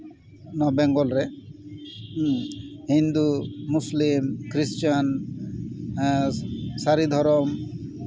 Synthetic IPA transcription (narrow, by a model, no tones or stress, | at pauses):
nɔbɛŋɡɔlɾɛ | hind̪umuslimkɾist͡ʃan | saɾid̪ʱɔɾɔm